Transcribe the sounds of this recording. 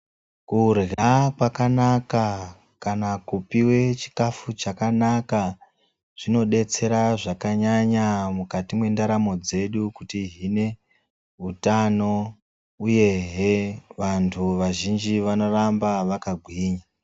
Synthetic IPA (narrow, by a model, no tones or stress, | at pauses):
kurɣakwakanaka | kanakupiwe̞t͡ʃi̥kafut͡ʃakanaka | ʐ̥ino̞ɗe̞t͡se̞ɾaʐakaɲaɲamukatimwe̞ndaɾamo̞d͡ze̞ɗukutiɦine̞ | ɦutano̞ | uje̞ɦeʋantʰuʋaʒind͡ʒiʋano̞rambaʋakaɡʱwiːɲa